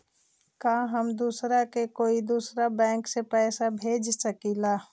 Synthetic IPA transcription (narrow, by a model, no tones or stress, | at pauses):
kaɦəmd̪uːsɾakekoːid̪uːsɾabɛ̃ːŋksepɛːsabʱeːd͡ʒsəkila